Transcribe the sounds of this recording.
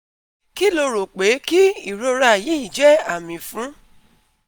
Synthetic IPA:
ki˦lo˧ɾo˨k͡pe˨˦ki˦i˦˨ɾo˧ɾa˧˨ji˨˦i˦˨d͡ʒɛ˨˦a˦˨mĩ˨fũ˨˦

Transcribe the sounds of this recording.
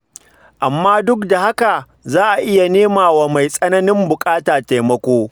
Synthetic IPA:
ʔa˨mːaː˦dʊ˦kda˨ha˦ka˨ | zaː˦ʔa˨ʔɪ˦ja˨neː˦maː˨wa˨ma˨jsʼɐ˦nɐ˦nɪ˦mbʊ˨kʼaː˦taː˨ta˨jmɐ˦kʷoː˦

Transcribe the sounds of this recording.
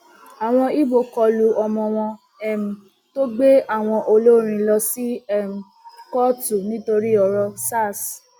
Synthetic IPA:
a˨w̃ɔ̃˧i˦bo˧kɔ˧lu˧ɔ˧mɔ̃˧w̃ɔ̃˧ | ɛ˨m̩˨ | to˦ɡ͡be˦a˦˨w̃ɔ̃˧ʔo˧lo˦ɾ̃ĩ˧lɔ˧si˦ɛ˦˨m̩˨ | kɔ˦tu˨nĩ˦to˧ɾi˦ɔ˧ɾɔ˧sa˦˨s

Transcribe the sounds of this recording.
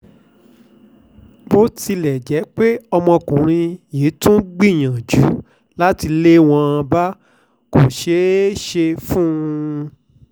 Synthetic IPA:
bo˦ti˧lɛ˨d͡ʒɛ˨˦k͡pe˦ɔ˧mɔ̃˧kũ˨ɾ̃ĩ˧jeː˨˦tũ˦ɡ͡bĩ˦˨j̃ã˨d͡ʒu˨˦ | la˦ti˧le˦w̃ɔ̃˧ã˧ba˦ | ko˨ʃe˨˦ʃe˧fũː˦˧

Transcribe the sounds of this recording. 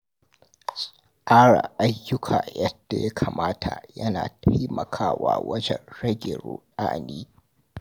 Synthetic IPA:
sʼɐ˨ʔaː˦ɽaː˨ʔa˦jːʊ˦kʰaː˨jɐ˦d̥a˨ja˦kʰaː˨maː˦tʰa˨jɐ˦naː˨tʰa˦jmɐ˨kʰaː˦waː˦wɐ˦d͡ʒɛ˨nɽɐ˦ɡʲɪ˨ɾoː˨ɗaː˦niː˦

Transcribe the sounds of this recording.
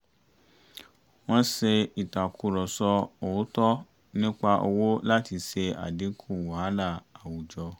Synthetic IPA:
w̃ɔ̃˦se˧i˨ta˨kʰu˨˧ɾɔ˨sɔ˧o˨˦tɔ˦ | nĩ˦k͡pa˧ʔo̰˧wo˦la˦ti˧se˧a̰˨di˨˦kʰu˦˨wo˨ha˨˦na˦˨a˨wu˨d͡ʒɔ˧

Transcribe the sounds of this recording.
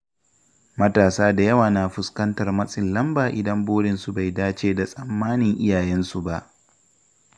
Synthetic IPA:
mɐ˦taː˨saː˦da˨jɐ˦waː˨na˨ɸʊ˦skɐ˦ntɐ˨rmɐ˦sʼɪ˨nlɐ˦mbaː˨ʔɪ˨dɐ˦mboː˦ɽɪ˨nsu˨ba˨jdaː˦t͡ʃeː˨da˨sʼɐ˨mːaː˦nɪ˨ŋʔɪ˦jaː˨jɛ˦nsu˨ba˦˨ʔ

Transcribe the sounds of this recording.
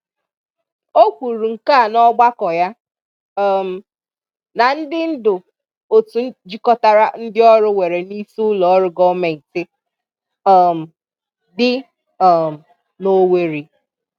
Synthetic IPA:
o˦kʷu˨ɾu˨ŋ̩˨ka˦˨nɔ˦ɡ͡ba˦kɔ˨ja˦˨ | m̩˨ | na˨n̩˦dɪ˦n̩˦dʊ˨ | o˨tu˨˦d͡ʒi˦kɔ˦ta˦ɾa˦n̩˦dɪ˦ɔ˦ɾʊ˦we˨ɾe˨ni˦sʊ˦lɔ˨˦ɾʊ˦ɡɔ˦me˨n̩˨tɪ˦ | ɔ˨m̩˨ | dɪ˦ | ɔ˨m̩˨ | no˦we˦ɾi˨

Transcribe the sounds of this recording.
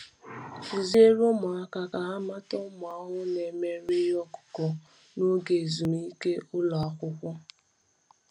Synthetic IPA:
u˨ze˦ɾo˦mʊ˨a˦ka˨ka˨ɦa˦ma˦tɔ˦mʊ˨a˦ɦʊ˦ne˨me˦ɾi˦jɔ˦kʊ̥˨kɔ˨ | no˦ɡe˨zu˨mi˦ke˦ʔʊ˦lɔ˨a˨kʷʊ˦kʷʊ˦

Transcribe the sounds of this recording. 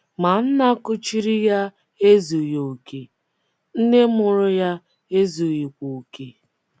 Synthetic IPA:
ma˨n̩˦na˦kʊ˦t͡ʃi˦ɾi˦ja˦ | e˦zu˨jo˨ke˨ | n̩˦ne˦mʊ˨ɾʊ˦ja˦ | e˦zu˨ji˨kʷu˨ke˨

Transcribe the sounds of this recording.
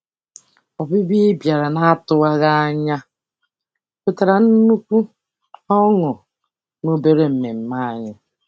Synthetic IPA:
ɔ˨bi˦bi˦bja˨ɾa˨na˦tʊ˦˨wa˦ɣa˦ɲa˦ | ko˦˨ta˨ɾa˨n̩˦nu˦kʷu˦ | ɔ˦ŋʊ˨ | no˦be˦ɾe˦m̩˨me˨m̩˨ma˦˨ɲɪ˦

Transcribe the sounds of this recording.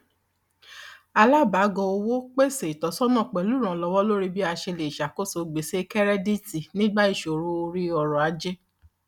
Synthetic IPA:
a˧la˦ba˨˦ɡɔ̃˧o˧wo˦k͡pe˦˨se˨i˨tɔ˨˦sɔ˦nã˦˨k͡pɛ˨lu˦ɾ̃ã˨lɔ˧wɔ˦lo˦ɾi˦bi˦a˧ʃe˧le˨ʃa˨ko˦so˧ɡ͡be˨se˦kɛ˦ɾɛ˦di˦ti˨nĩ˦ɡ͡ba˦i˦˨ʃo˨ɾu˦o˧ɾi˦ɔ˨ɾɔ˨a˧˦d͡ʒɛ˦

